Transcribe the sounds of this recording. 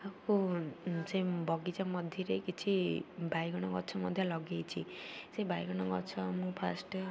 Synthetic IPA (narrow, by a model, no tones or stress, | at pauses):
aku | sebɔɡit͡ʃamɔd̪ʱjiɾejkit͡ʃʰibʱajɡɔɽ̃ɔŋɡɔt͡ʃʰɔmɔd̪ʱjɔlɔɡejt͡ʃʰisebʱajɡɔɽ̃ɔɡɔt͡ʃʰɔmũpʰasʈ